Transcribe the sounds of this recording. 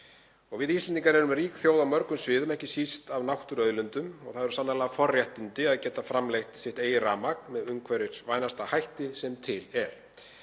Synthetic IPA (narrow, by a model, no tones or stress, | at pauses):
ɔɣvɪðist̪ɛniŋkaɾɛɾʏmriːkθjowðamœɾkʏmsvɪːðʏmɛhcɪsist̪avnawht̪ʏɾœðlʏnt̪ʏmɔ̰ɣθaðɛɾsanalaɣafɔrjɛht̪ɪnt̪ɪaðcɛːt̪afɾamlejxt̪sjɪht̪eːjɪraːmak̚nmɛðʏmkʰvɛɾɪɾ̥vaːjnast̪ahajht̪ɪsɛmt̪ʰɪlɛɾ̥